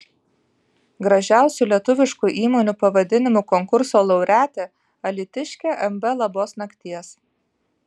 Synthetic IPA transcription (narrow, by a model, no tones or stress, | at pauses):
ɡɾɐʒʲæˑʊsʲulʲiɛt̪ʊʋʲɪʃkʊʔiːmoːnʲuˑpɐʋɐd̪ʲɪnʲɪmuˑkɔŋkʊɾsoːlˠɐʊɾʲæːt̪ʲeː | ɐlʲɪt̪ʲɪʃʲkʲeːʔɛmbɛlˠɐboːsnɐkʲt̪ʲiɛs